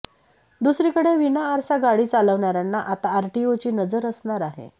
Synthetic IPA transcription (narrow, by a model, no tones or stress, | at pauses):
d̪usɾiːkəɽeʋinaːɾsaɡaɽiːt͡saləʋɳaɾjanːaʔat̪aːɾʈiot͡ɕiːnəd͡zəɾəsɳaɾaɦḛ